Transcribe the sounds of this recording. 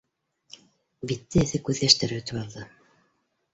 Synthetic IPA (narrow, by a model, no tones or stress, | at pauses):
bit̪ːɘ̆ːθɘkʉððæʃt̪ɘɾɘɵ̆t̪ɵpɑlˠd̪ɤ